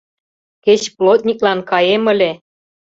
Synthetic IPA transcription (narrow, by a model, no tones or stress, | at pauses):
ket͡ɕplot̪̚nʲiklɑnkɑjemə̆lʲe